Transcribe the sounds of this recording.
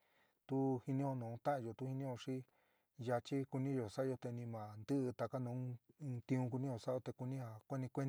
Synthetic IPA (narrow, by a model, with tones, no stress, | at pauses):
t̪u˦hi˧nĩ˦o˧nũː˨˧t̪ã˦ʔjo˨t̪u˦hi˧nĩ˦o˧ʂi˦ | ja˧t͡ʃi˦ku˧nĩ˦jo˨sa˦˧o˧t̪e˧nĩ˧mã˨nd̪ɨ˦ʔɨ˧t̪a˧ka˦nũː˨˧˦t̪ĩ˧ũ˧k̬u˧nĩ˦jo˧˨sa˦o˧t̪e˧ku˧nĩ˦ha˧kʷe˦nĩ˧kʷe˦